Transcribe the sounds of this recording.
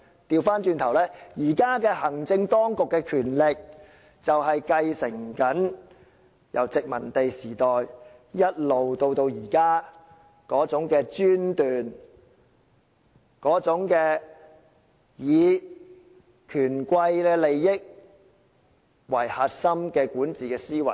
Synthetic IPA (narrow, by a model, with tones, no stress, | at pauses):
t̪iː˧wfaː˥nt͡ʃyː˧nt̪ʰɐ˨˩wlɛː˥jiː˨˩kaː˥kɛː˧hɐ˨˩ŋt͡sɪ˧ŋt̪ɔː˥ŋkʊ˨kːɛː˧kʰyː˨˩nlɪ˨k̚ | t͡sɐ˨wɦɐ˨jkɐ˧jsɪ˨˩ŋkɐ˨˥n | jɐ̰˨˩wt͡sɪ˨k̚mɐ˨˩nt̪e˨jsiː˨˩t̪ɔː˨j | jɐ˥t̚lo˨wt̪o˧wt̪o˧wjiː˨˩kaː˥ | kɔː˨˥t͡sʊ˨˥ŋkɛː˧t͡ʃyː˥nt̪yː˨n | kɔː˨˥t͡sʊ˨˥ŋkɛː˧ | jiː˨˧ | kʰyː˨˩nkʷɐ˧jlɛː˧le˨jːɪ˥k̚ | wɐ˨˩jhaː˨t̚sɐ˥mkɛː˧kuː˨˥nt͡siː˨˩kɛː˧siː˥wɐ̰˨˩